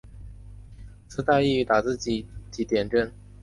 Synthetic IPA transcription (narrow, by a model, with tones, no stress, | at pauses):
t͡sʰɹ̩˧˥t̪a˥˧i˥˩˧t̪a˨˩t͡sɹ̩˥˩t͡ɕi˨˩t͡ɕi˧˥t̪jɛ˨˩nʈ͡ʂə˥˩n